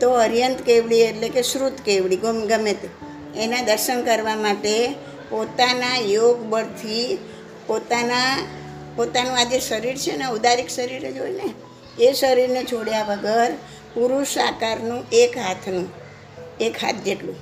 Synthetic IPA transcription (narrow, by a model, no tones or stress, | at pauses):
t̪oəɾjənt̪keʋɭieʈlekesɾut̪keʋɭiɡəmɡəmet̪ | enãd̪əɾʃənkəɾʋamaʈe | pot̪anajoɡbəɽt̪ʰi | pot̪ana | pot̪anũad͡ʒeʃəɾiɾt͡ʃʰenaud̪aɾiksəɾiɾed͡ʒojne | esəɾiɾnet͡ʃʰoɽjaʋəɡəɾ | puɾuʃakaɾnũʔekɦat̪ʰnũ | ekɦa̰t̪ʰd͡ʒeʈlũ